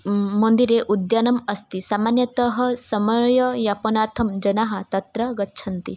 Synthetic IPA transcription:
mɐnd̪iɾeʔud̪janɐmɐst̪isamanjɐt̪əɦɐsɐmɐjɐjapɐnaɾt̪ʰɐmd͡ʒɐnaɦɐ̆t̪ɐt̪ɾɐɡɐtːʃʰɐnt̪i

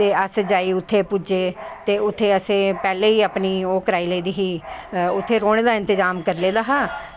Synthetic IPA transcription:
eːəsd͡ʒaːiːʊt̪ʰːeːpʊd͡ʒeːt̪eːʊt̪ʰːeːəsẽːpɛːleːiːapniːoːkəɾaːiːləːd̪iːɦiːʊt̪ʰːeːɾoːɽ̃eːd̪aːɪ̃nt̪ɪzaːmkəɾleːd̪aːɦãː

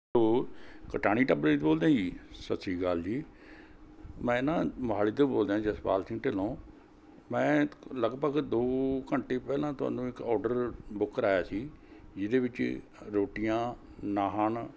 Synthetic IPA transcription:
soːkəʈaːɽ̃iːʈəbɾeːt̪boːld̪ãːd͡ʒiːsət̪ːsʰiːɡald͡ʒiː | mɛ̃ːɪnãːmɦaːliːt̪̬oːboːld̪jãːd͡ʒəspa̰ːlsɪ̃ŋʈɪlõː | mɛ̃ːləɡbəɡd̪oːkəɳʈeːpɛːlãːt̪ʊa̰ːnũːɪkɔːɾɖəɾbʊkːɾaːjaːsiːd͡ʒɪd̪eːʋɪt͡ʃ | ɾoːʈijãː | naːɦəɳ

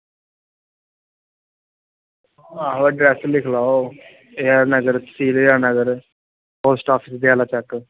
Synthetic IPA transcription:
aɦʋaɖɾɛslɪkʰlaːo | eəɾnəɡəɾsiːlejəɾnəɡəɾ | poːsʈaːpʰɪsd̪iaːlaːt͡ʃɛk

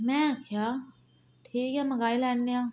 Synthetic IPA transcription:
mɛ̃kʰjaː | ʈʰiːkɦɛmɐɡaːilɛːnːeaː

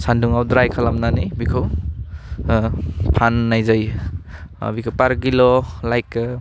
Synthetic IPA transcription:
sanduŋawdɾajkʰalamnanibikʰɯw | pʰanːajzaj̰ | bikʰowpaɾɡilɔlajk

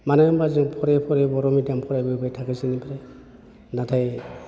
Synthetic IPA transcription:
manambaziŋpʰɔɾepʰɔɾebɔɾɔmidampʰɔɾajbebajtʰakisinipʰaɾe | natʰaj

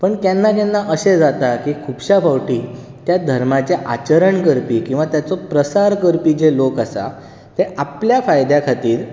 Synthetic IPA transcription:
pəɳt̪janːak̪janːaʔəɕed͡zat̪akiːkʰuːbɕabawʈiː | t̪jad̪ʱəɾmat͡seʔa̰t͡ɕəɾəɳkəɾpiːkĩw̃ʋat̪jat͡sopɾəsaɾkəɾpiːd͡zelokasa̰ | t̪eapljafajd̪jakʰat̪iːɾ

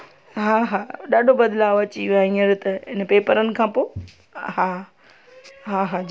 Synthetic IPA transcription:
ɦaːɦaːɗaːɖʱobɐd̪laːɐt͡ɕiaːɦĩːəɾɪt̪ɐɦɪnəpeːpəɾənɪ̆kʰãːpoː | ɦaː | ɦaːɦa

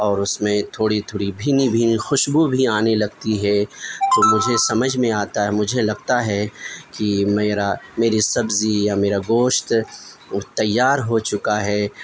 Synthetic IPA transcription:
ɔːɾʊsmẽt̪ʰoːɽit̪ʰoːɽibʱiːnibʱiːnixʊʃbubʱiaːnelɐɡt̪iɦɛt̪omʊd͡ʒʱesɐməd͡ʒʱmẽaːt̪aɦɛmʊd͡ʒʱelɐɡt̪aɦɛkimeːɾameːɾisɐbzijameːɾaɡoːʃt̪ | t̪ɐjːaːɾɦot͡ʃʊkaɦɛː

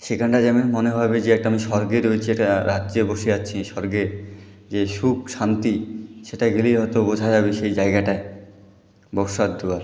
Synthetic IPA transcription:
ʃekʰaɳʈad͡ʑamenmoneɦabed͡ʑeɛk̚ʈaamiʃɔɾɡeɾoet͡ɕʰiɛkʈaɾad͡ʑeboʃeaːɕʰiʃɔɾɡeɾ | d͡ʑeʃukʃant̪iʃeʈaɡelijɦɔet̪obod͡ʑʱad͡ʑabeʃejd͡ʑaeɡaʈae | bɔɾʃad̪d̪uaɾ

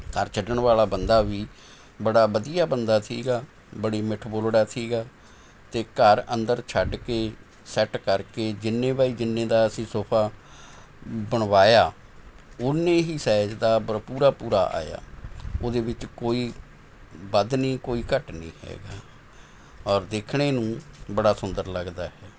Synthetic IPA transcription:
kəɾt͡ʃʰəɖəɳʋaːlaːbənd̪aːʋiː | bəɽaːbəd̪ijaːbənd̪aːt̪ʰḭːɡaː | bəɽiːmɪʈʰboːlɽaːt̪ʰiːɡaː | t̪eːkəɾənd̪əɾt͡ʃʰəɖkeː | sɛʈkəɾkeːd͡ʒɪnːẽːbaːiːd͡ʒɪnːẽːd̪aːəsĩːsoːpʰaː | bəɳ̃ʋaːjaː | ʊnːẽːɦiːsɛːd͡ʒd̪aːpuːɾaːpuːɾa̰ːʔa̰ːja̰ːoːd̪eːʋɪt͡ʃkoːiː | bəd̪nĩːkoːiːkəʈnḭ̃ːhɛ̰ːɡaː | ɔːɾd̪eːkʰneːnũːbəɽaːsʊnd̪əɾləɡd̪aːɦɛː

